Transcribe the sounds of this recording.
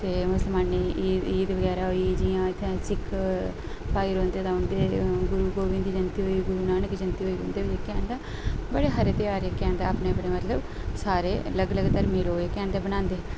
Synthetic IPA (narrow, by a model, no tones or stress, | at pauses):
t̪eːmʊsəlmaːniiːd̪ʋəɡɛːɾaːɦoːiːd͡ʒiãːɪt̪ʰːẽːsɪkʰ | pʰaːjɾõːnd̪eːt̪ãːʊnd̪eːɡʊɾuːɡoːʋɪ̃nd̪id͡ʒənt̪iːɦoːiːɡʊɾuːnaːnɪkd͡ʒənt̪iɦoːiːʊ̃nd̪eːeːkɛ̃ːɳʈd̪ã | bəɽeːɦəɾeːt̪ɪjaːɾekɛ̃ːɳɖa̰ːpneːbəɽeːmət̪ləb | saːɾeːləɡləɡaːt̪əɾmeːloːeːkɛ̃ːɳʈd̪eːbənãːnd̪eː